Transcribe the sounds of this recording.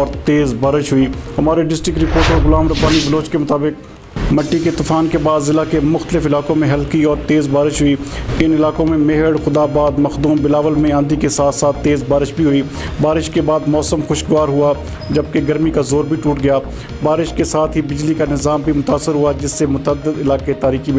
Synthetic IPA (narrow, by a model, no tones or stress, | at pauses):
ɔːɾt̪eːzbaːɾɪʃɦʊiːɦɐmaːɾeɖɪsʈɾɪkɾɪpoːɾʈoɾɡʊlaːmɾɐbaːnibəloːt͡ʃkemʊt̪aːbɪk̚ | mɐʈːiket̪ʊfʰaːnkebaːd̪zɪlakemʊxt̪əlɪfɪlaːkõmẽɦɐlkiɔːɾt̪eːzbaːɾɪʃɦʊiːɪnɪlaːkõmẽmɪɦəɽxʊd̪aːbaːd̪mɐxd̪uːmbɪlaːʋəlmẽãːnd̪ikesaːt̪saːt̪ːeːzbaːɾɪʃbʱiɦʊiː | baːɾɪʃkebaːd̪mɔːsəmxʊʃɡʊʋaːɾɦʊa | d͡ʒɐb̚keɡɐɾmikazoːɾbʱiʈuːʈɡɪjaː | baːɾɪʃkesaːt̪ʰɦibɪd͡ʒlikanɪzaːmbʱimʊt̪aːsːɪɾɦʊad͡ʒɪsːemʊt̪əd̪əd̪ɪlaːket̪aːɾiːximẽ